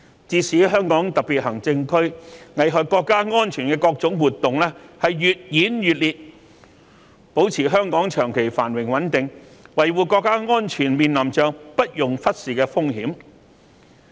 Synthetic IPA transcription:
t͡siː˧siː˨˥ɦœː˥ŋkɔː˨˥ŋt̪ɐ˨k̚piː˨t̚hɐ˨˩ŋt͡sɪ˧ŋkʰɵ˥ɥŋɐ˨jɦɔː˨kkːɔː˧kːaː˥ŋɔː˥nt͡ʃʰyː˨˩nkɛː˧kɔː˧k̚t͡sʊ˨˥ŋwuː˨˩t̪ːʊ˨ŋlɛː˥hɐ˨jjyː˨t̚jiː˨˥njyː˨t̚liː˨t̚ | po˨˥wt͡sʰiː˨˩ɦœː˥ŋkɔː˨˥ŋt͡ʃʰœː˨˩ŋkʰe˨˩jfa̰ː˨˩nwɪ˨˩ŋwɐ˨˥nt̪ɪ˨ŋwɐ˨jwuː˨˩kɔː˧kːaː˥ŋɔː˥nt͡ʃʰyː˨˩nmiː˨nlɐ˨˩mt͡ʃœː˨ŋpɐ˥t̚jʊ˨ŋfɐ˥t̚siː˨˩kɛː˧fʊ˥ŋɦiː˨˥m

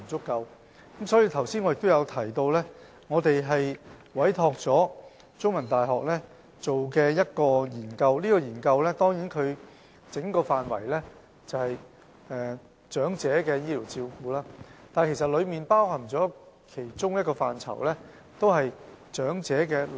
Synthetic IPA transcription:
t͡sʊ˥kːɐ˧w | kɐ˨˦˥msɔː˨˥jiː˧t̪ʰɐ˨˩wsiː˥nŋɔ˨˧jɪ˨k̚t̪o˥jɐ˨˧wt̪ʰɐ˨˩jt̪o˧wlɛ˥ | ŋɔː˨˧t̪e˨jɦɐ˨jwɐ˨˥jt̪ʰɔː˧k̚t͡sɔː˨˥ | t͡sʊ˥ŋmɐ˨˩nt̪aː˨˩jɦɔː˨k̚lɛː˥ | t͡so˨wkɛː˧jɐ˥t̚kɔː˧jiː˨˩nkɐ˧wliː˥kɔː˧jiː˨˩nkɐ˧wlɛː˥t̪ɔː˥ŋjiː˨˥nkʰɵ˨˧ɥ | t͡sɪ˨˥ŋkɔː˧faː˨nwɐ̰˨˩jlɛ˥ | t͡sɐ˨whɐ˨j | ɛː˧ | t͡ʃœː˨˥ŋt͡sɛː˨˥kɛː˧jiː˥liː˨˩wt͡siː˧wkuː˧laː˥t̪aː˨nkʰe˨˩sɐ˨t̚lɵ˨˧ɥmiː˨npaː˥whɐ˨˩ŋt͡sɔː˨˥kʰe˨˩jt͡ʃʊ˥ŋjɐ˥t̚kɔː˧faː˨nt͡sʰɐ̰˨˩wlɛː˥ | t̪o˥whɐ˨j | t͡ʃœː˨˥ŋt͡sɛː˨˥kɛː˧

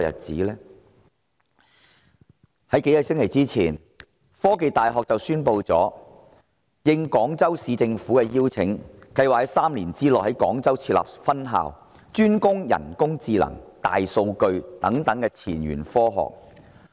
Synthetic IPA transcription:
jɐ̰˨˩t̚t͡siː˨˥lɛː˥ | hɐ˨˥jke˨˥jɐ˨t̚sɪ˥ŋkʰe˨˩jt͡siː˥t͡sʰiː˨˩n | fɔː˥ke˧jt̪aː˨˩jɦɔː˨k̚t͡sɐ˨wsyː˥npo˧wt͡sɔ̰ː˨˥ | jɪ˧ŋkɔː˨˥ŋt͡sɐ˥wsiː˨˧t͡sɪ˧ŋfuː˨˥kɛ˧jiː˥wt͡sʰɪ˨˥ŋkɐ˧jwaː˨k̚hɐ˨˥jsaː˥mliː˨˩nt͡siː˥lɔː˨hɐ˨˥jkɔː˨˥ŋt͡sɐ˥wt͡sʰiː˧t̚la̰ː˨p̚fɐ˥nɦa̰ː˨w | t͡ʃyː˥nkʊ˥ŋjɐ̰˨˩nkʊ˥ŋt͡siː˧lɐ̰˨˩ŋt̪a̰ː˨jso˧wkɵ˧ɥt̪ɐ˨˥ŋt̪ɐ˨˥ŋkɛː˧t͡sʰiː˨˩nɥy̰ː˨˩nfɔː˥ɦɔ̰ː˨k̚

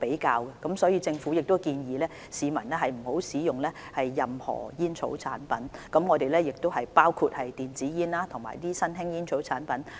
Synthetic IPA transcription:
pe˨˥jkaː˧wkɛ˧kɐ˨˥msɔː˨˥jiː˨˧˥t͡sɪ˧ŋfu˨˥jɪ˨k̚t̪o˥kiː˧njiː˨˧lɛː˥ | siː˨˧mɐ˨˩nlɛ˥ɦɐ˨jm̩˨˩ho˨˥wsiː˨˥jʊ˨ŋlɛː˥hɐ˨jːɐ˨mhɔ̰ː˨˩jiː˥nt͡sʰo̰˨˥wt͡sʰaː˨˥npɐ˨˥nkɐ˨˥mŋɔː˨˧t̪e˨jlɛː˥jɪ˨k̚t̪o˥wɦɐ˨jpaː˥wkʰu˧t̚hɐ˨jt̪iː˨nt͡siː˨˥jiː˥nlaː˥t̪ʰʊ˨˩ŋma̰ː˨˩jt̪iː˥sɐ˥nɦɪ˥ŋjiː˥nt͡sʰo˨˥wt͡sʰaː˨˥npɐ˨˥n

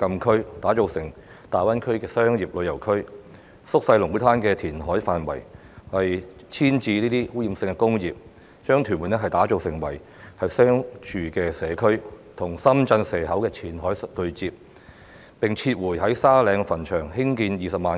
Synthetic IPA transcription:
kɐ˧mkʰɵ˥ɥt̪aː˨˥t͡ʃo˨˧wsɪ˨˩ŋ | t̪aː˨˩jwɐ˥nkʰɵ˥ɥkɛː˧sœː˥ŋjiː˨˩p̚lɵ˨˧ɥjɐ˨˩wkʰɵ˥ɥ | sʊ˥k̚sɐ˧jlʊ˨˩ŋwu˨˥t̪ʰaː˥nkɛː˧t̪ʰiː˨˩nɦɔː˨˥jfaː˨nwɐ̰˨˩j | hɐ˨j | t͡sʰiː˥nt͡siː˧niː˥t̪iː˥huː˨˥jiː˨˧msɪ˧ŋkɛ˧kʊ˥ŋjiː˨p̚ | t͡ʃœː˥ŋt̪ʰy˨˩mwu˨˩nɛ˥ɦɐ˨jt̪aː˨˥t͡ʃo˨˧wsɪ˨˩ŋwɐ̰˨˩j | hɐ˨jsœː˥ŋt͡ʃʰyː˨˧kɛː˧sɛː˨˧kʰɵ˥ɥt̪ʰʊ˨˩ŋsɐ˥mt͡sɐ˧nsɛː˨˩ɦɐ˨˥wkɛː˧t͡sʰiː˨˩nɦɔː˨˥jt̪ɵ˧ɥt͡siː˧p̚ | pɪ˨ŋt͡sʰiː˧t̚wuː˨˩jɦɐ˨˥jsaː˥lɛː˨˧ŋfɐ˨˩nt͡ʃʰœː˨˩ŋhɪ˥ŋk̬iː˧njiː˨sɐ˨p̚maː˨n

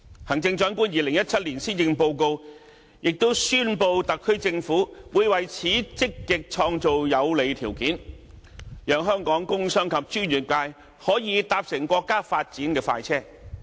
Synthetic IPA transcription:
hɐ˨˩ŋt͡sɪ˧ŋt͡ʃœː˨˥ŋkuː˥njiː˨˧lɪ˨˩ŋjɐ˥t̚t͡sʰɐ˥t̚liː˨˩nsiː˥njɪ˧ŋpo˧wko˧w | jɪ˨k̚t̪o˥wsyː˥npo˧wt̪ɐ˨kʰːɵ˥ɥt͡sɪ˧ŋfuː˨˥wuː˨˧jwɐ˨jt͡sʰiː˨˥t͡sɪ˥kːɪ˨k̚t͡ʃʰɔː˧ŋt͡so˨wjɐ˨˧wle˨˧jt̪ʰiː˨˩wkiː˨˥n | jœː˨˧ŋɦœː˥ŋkɔː˨˥ŋkʊ˥ŋsœː˥ŋkʰɐ˨p̚t͡ʃyː˥nɥyː˨˩t̚kaː˧j | hɔː˨˥jiː˨˧˥t̪aː˧p̚sɪ˨˩ŋkʷɔː˧kːaː˥faː˧t̚t͡siː˨˥nkɛː˧faː˧jt͡sʰɛː˥˩

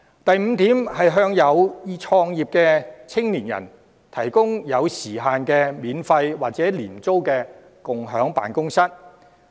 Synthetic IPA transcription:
t̪ɐ˨jm̩˨˧t̪iː˨˥mhɐ˨jɦœː˧ŋjɐ˨˧wjiː˨˧t͡ʃʰɔː˧ŋjiː˨p̚kɛː˧t͡sʰɪ˥ŋliː˨˩njɐ̰˨˩n | t̪ʰɐ˨˩jkʊ˥ŋjɐ˨˧wsiː˨˩ɦaː˨nkɛː˧miː˨˧nfɐ˧jwaː˨k̚t͡sɛː˨˥liː˨˩nt͡so˥wkɛː˧ | kʊ˨ŋɦœː˨˥ŋpa̰ː˨nkʊ˥ŋsɐ˥t̚

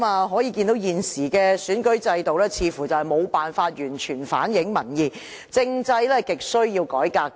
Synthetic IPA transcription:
maː˧ɦɔː˨˥jiː˨˧ki˧nt̪o˨˥wjiː˨nsiː˨˩kɛː˧syː˨˥nkɵ˨˥ɥt͡sɐ˧jt̪o˨wlɛː˥t͡sʰiː˨˧fuː˨˩t͡sɐ˨˩whɐ˨˩jmo˨˧wpaː˨nfaː˧t̚jyː˨˩nt͡ʃʰyː˨˩nfa̰ː˨˥njɪ˨˥ŋmɐ˨˩njiː˨˩ | t͡sɪ˧ŋt͡sɐ˧jlɛː˥kɪ˨k̚sɵ˥ɥjiː˧wkɔː˨˥jkaː˧k̚

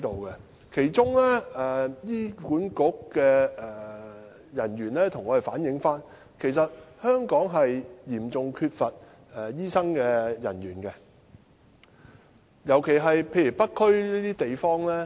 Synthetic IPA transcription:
jt̪o˨wkɛ˧ | kʰe˨˩jt͡ʃʊ˥ŋlɛː˥ɛ˨jiː˥kuː˨˥nkʊ˨˥kkɛː˧ɛː˨˩ | jɐ˨˩nɥyː˨˩nlɛː˥t̪ʰʊ˨˩ŋɔː˨˧e˨˩faː˨˥njɪ˨˥ŋfaː˥n | kʰe˨˩js̬ɐ˨t̚hœː˥ŋkɔː˨˥ŋɦɐ˨jjiː˨˩mt͡sʊ˨ŋkʰyː˧t̚fɐ˨t̚ | ɛ˨jiː˥sɐ˥ŋkɛː˧jɐ̰˨˩nɥyː˨˩nkɛ˧ | jɐ˨˩wkʰe˨˩jɦɐ˨jpʰe˧jyː˨˩pɐ˥t̚kʰːɵ˥ɥliː˥t̪iː˥t̪e˨jfɔː˥ŋlɛː˥

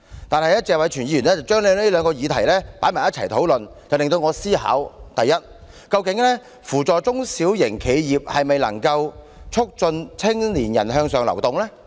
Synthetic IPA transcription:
t̪aː˨nɦɐ˨jɐ˥t̚t͡sɛː˨k̚wɐ˨˥jt͡ʃʰyː˨˩njiː˧jyː˨˩nlɛ˥t͡sɐ˨wt͡ʃœː˥ŋle˨˧ne˥lœː˨˧ŋkɔː˧jiː˨˧t̪ʰɐ˨˩jlɛː˥pa̰ː˨˥jmaː˨˩jɐ˥t͡sʰɐ˨˩jt̪ʰo˨˥wlɵ˨nt͡sɐ˨wlɪ˨ŋt̪o˧wŋɔː˨˧siː˥ɦa̰ː˨˥wt̪ɐ˨jːɐ˥t̚ | kɐ˧wkɪ˨˥ŋlɛː˥ | fuː˨˩t͡sɔː˨t͡sʊ˥ŋsiː˨˥wjɪ˨˩ŋkʰe˨˧jjiː˨˩p̚hɐ˨jme˨jlɐ̰˨˩ŋkɐ˧w | t͡ʃʰʊ˥k̚t͡sɵ˧nt͡sʰɪ˥ŋliː˨˩njɐ̰˨˩nɦœː˧ŋsœː˨ŋlɐ̰˨˩wt̪ʊ˨ŋlɛː˥

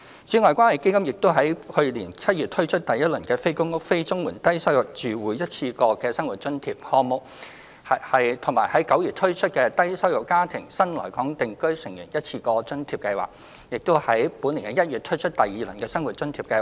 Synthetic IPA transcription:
t͡syː˨˥ŋɔː˨jkʷwʷaː˥nɐ˨˩jke˥jkɐ˥mjɪ˨k̚t̪o˥wɦɐ˨˥jhɵ˧liː˨˩nt͡sʰɐ˥t̚yː˨t̪̚ʰɵ˥ɥt͡ʃʰɵ˥t̚t̪ɐ˨jɐ˥t̚lɵ˨˩nkɛː˧fe˥jkʊ˥ŋʊ˥k̚fe˥jt͡sʊ˥ŋmuː˨˩nt̪ɐ˥jsɐ˥wjʊ˨˩k̚t͡ʃyː˨wuː˨˥jjɐ˥t̚t͡sʰiː˧kɔː˧kɛː˧sɐ˥ŋwu˨t̚t͡ʃɵ˥nt̪ʰiː˧p̚hɔː˧mʊ˨k̚ | ɐ˨hɐ˨jt̪ʰʊ˨˩ŋmaː˨˩jhɐ˨˥jkɐ˨˥wjyː˨t̪ʰɵ˥ɥt͡ʃʰɵ˥t̚kɛː˧t̪ɐ˥jsɐ˥wjʊ˨kːaː˥t̪ʰɪ˨˩ŋsɐ˥nlɔ̰ː˨˩jkɔː˨˥ŋt̪ɪ˨ŋkɵ˥ɥsɪ˨˩ŋjyː˨˩njɐ˥t̚t͡sʰiː˧kɔː˧t͡sɵ˥nt̪ʰiː˨˧p̚kɐ˧jwa̰ː˨k̚ | jɪ˨k̚t̪o˥whɐ˨˥jpuː˨˥nliː˨˩ɛ˧jɐ˥t̚jyː˨˩t̪ʰɵ˥ɥt͡ʃʰɵ˥t̚t̪ɐ˨jːiː˨lɵ˨˩nkɛː˧sɐ˥ŋwu˨t̚t͡ʃɵ˥nt̪ʰiː˨˧p̚kɐ˧jwa˨

